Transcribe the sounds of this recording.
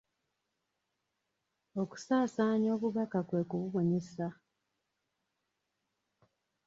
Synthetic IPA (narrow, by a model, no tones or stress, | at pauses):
o̞ku̥saːsaːɲo̞ːβuβakakwe̞ːkuβuβo̞ɲesa